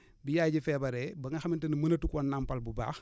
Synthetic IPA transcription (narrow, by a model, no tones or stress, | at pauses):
bijaːjɟifɛːbɐɾɛbɐŋɐxɐmintɐnimɐnɐtukɔːnːampɐlbuba̰ːx